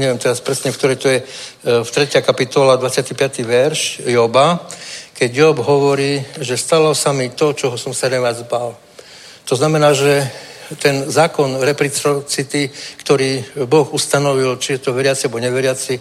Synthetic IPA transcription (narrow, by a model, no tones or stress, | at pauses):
ɲɛʋjɛmt̪ɛɾaspɾɛsɲɛfkt̪ɔɾɛjt̪ɔjɛ | ft̪ɾɛcɪakapit̪ɔlad̪ʋat͡sɪat̪ipɪat̪iʋɛɾʃjɔbakɛɟjɔbɦɔʋɔɾiːʒɛst̪alɔsamit̪ɔt͡ʃɔɦɔsɔmsaɾɛʋjad͡zbal | t̪ɔznamɛnaːʒɛ | t̪ɛnzaːkɔnɾɛpɾit͡sɔt͡sit̪ikt̪ɔɾiːbɔxust̪anɔʋilt͡ʃijɛt̪ɔʋɛɾɪat͡siabɔɲɛʋɛɾɪat͡si